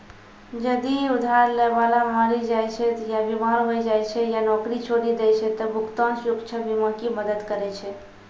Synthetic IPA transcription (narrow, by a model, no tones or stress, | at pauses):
d͡ʒəd̪iud̪ʱaɾleʋalamãɾid͡ʒajt͡ʃʰɛt̪jabimaɾɦojd͡ʒajt͡ʃʰɛjanɔkɾit͡ʃʰoɾid̪ɛjt͡ʃʰɛt̪əbʱukt̪ɔ̃nsukt͡ʃʰəbimãkiməd̪əd̪kəɾɛt͡ʃʰɛ